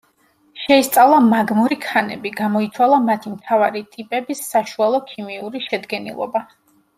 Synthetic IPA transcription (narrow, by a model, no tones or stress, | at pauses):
ʃɛist̪sʼavlˠamaɡmuɾikʰanɛ̰biɡamɔit̪sʰwalˠamat̪ʰimt̪ʰavaɾit̪ʼipʼɛbisːaʃualˠɔkʰimiuɾiʃɛd̪ɡɛnḭlˠɔ̰ba